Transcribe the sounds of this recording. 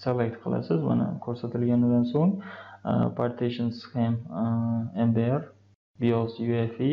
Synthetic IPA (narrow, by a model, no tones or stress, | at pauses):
selek̚t̪qʰɨlˠa̰sɪzma̰na̰kʲʰɵɾsat̪ʰɪlɡʲanɪd̪ansoŋ | pʰaɾt̪ʰeʃɪnskem | embeaɾ | biosjuefi